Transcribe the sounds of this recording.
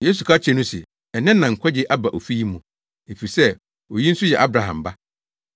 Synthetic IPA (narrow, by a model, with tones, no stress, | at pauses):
jeː˦s̬u˨kʰa˦t͡ɕʰɛ˦nũ˦sɪ̰˨ | ɛ˨nɪ̃˦nːã˨ŋ̩˨kʷʰɛ˦d͡ʑɪ˦ʔa˦ba˨ʔo˨fi˦ji˦mũ˨ | e˨fi˨i˨sɛ˦˨ | o˨ji˦n̩˦sʊ˦jɛ̰˨ʔa˦bɾa˨ɦã̰˨m˨ba˦